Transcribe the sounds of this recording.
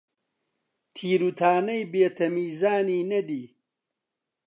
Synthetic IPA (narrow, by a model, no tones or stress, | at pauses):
t̪ʰiːɾut̪ʰaːnɐjbeːt̪ʰɐmiːzaːniːnɐd̪iː